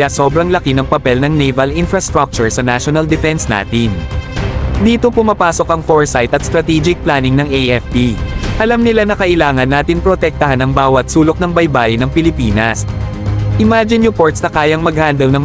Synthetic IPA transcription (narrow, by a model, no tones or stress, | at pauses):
aso̞ːbɾɐŋlɐkinɐŋpɐpɛlnɐŋnɛjvɐlʔɪnfɾɐst̪ɾak̚t͡ʃʊɹsɐnaʃonɐld̪ɪfɛnsna̰ːt̪ɪn | d̪iːt̪o̞pʊmapaːso̞kɐŋfoɹsajt̪ɐt̪st̪ɾɐt̪id͡ʒɪk̚plaːnɪŋnɐŋʔeʔɛfpiʔɐlamnɪlanɐkɐʔɪlaːŋɐnːaːt̪ɪnpɾot̪ɛk̚t̪ɐhanɐŋbaːwɐt̪̚suːlo̞k̚nɐŋbɐjbaːʔɪnɐŋpɪlɪpiːnɐs | ʔɪmaːd͡ʒɪnɾɪpo̞ɹt̪snɐkaːjɐŋmɐɡ̚haːnd̪ɐlnɐŋ